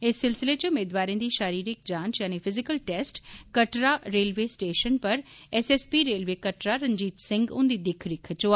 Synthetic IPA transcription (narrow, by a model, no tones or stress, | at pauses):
ɪsːɪlsɪlet͡ʃʊmeːd̪ʋaːɾẽd̪iːʃaːɾiːɾɪk̚d͡ʒãːnt͡ʃjaːnipʰɪzɪkəlʈɛːsʈkɐʈɾaɾeːlʋeːsʈeːʃənpɐɾɛseːspiɾeːlʋeːkəʈɾaɾə̃ɲd͡ʒiːt̪sɪ̃ŋɡʊ̰̃nd̪id̪ɪkʰɾɪkʰt͡ʃoa